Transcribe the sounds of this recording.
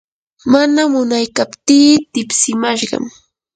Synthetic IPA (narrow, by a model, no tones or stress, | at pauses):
manamʊnajkapt̪iːt̪ɪpsɪmaʃɢɑ̰m